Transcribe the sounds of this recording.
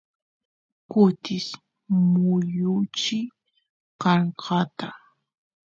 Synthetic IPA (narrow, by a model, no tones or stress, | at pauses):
kʊt̪ɪs | mʊjʊt͡ʃɪ | kɑɴqʰɑt̪a